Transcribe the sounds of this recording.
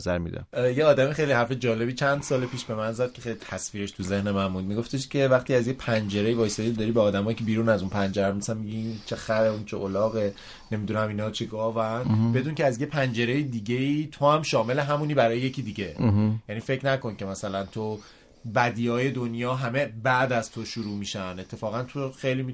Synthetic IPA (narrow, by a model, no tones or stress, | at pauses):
zæɾmḭd̪̰jeɒːd̪æmexejliɦæɾfed͡ʒɒːle̞biːt͡ʃʰænd̪̥sɒːlepʰiːʃbe̞mænzæd̪̥̚kʲʰe̞xejlit̪ʰæsfiːɾe̞ʃt̪ʰuze̞hnemænbuːd̪̚miɡo̞ft̪ʰe̞ʃcʰe̞væχt̪iːæzjepʰænd͡ʒe̞ɾejvɒːjseid̪ɒːɾiːbeɒːd̪æmɒːjicʰebiːɾuːnæzunpʰænd͡ʒeɾæmmisnmiɟint͡ʃʰexæɾeunt͡ʃʰeʔolɒːɣe | ne̞mid̪unæminɒːt͡ʃʰeɡɒːvænbed̪uːncʰeæzjepʰænd͡ʒe̞ɾejed̪iːɟe̞iːt̪ʰo̞hæmʃɒːme̞leɦæmuːniːbæɾɒːjejecʰiːd̪iɟe̞jæniːfecʰnæko̞nce̞mæsælænt̪ʰo | bæd̪iːɒːje̞d̪onjɒːɦæme̞bæʔd̪æz̥t̪ʰoʃuɾuːmiːʃæne̞t̪ʰːe̞fɒːɣænt̪ʰoxejliːmi